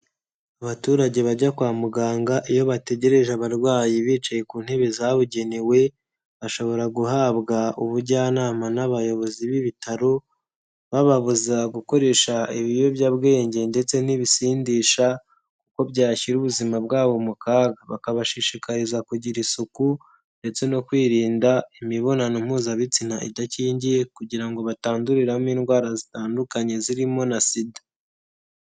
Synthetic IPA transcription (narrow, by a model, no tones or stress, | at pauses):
aβatuːɾaɟe̞βaɟakwaːmuɡaːŋɡaʔijo̞βate̞ɟe̞ɾe̞ʒaβaɾɡwaːjiβiːt͡ʃaje̞kuːn̥he̞βe̞zaβuɟe̞niwe̞ | βaʃo̞βo̞ɾaɡuɦaːβɡauβuɾɟaːnaːmanaβajo̞βo̞ziβiβitaɾo | βaβaβuzaɡuko̞ɾe̞ːʃaiβijo̞bjabɡe̞ːɲɟe̞nde̞t͡se̞niβisiːndiʃa | kuko̞bɟaːçiɾuːβuzimabɡaːβo̞mukaːɡaβakaβaʃiʃikaɾezakuɟiɾisuku | nde̞t͡se̞no̞kwiːɾiːndaimiβo̞nanim̥uːzaβit͡sinaʔḭdaciːɲɟije̞kuɟiɾaŋɡo̞βataːnduɾiɾamiːnɡwaːɾazitaːndukaɲe̞ziɾimo̞nasidḁ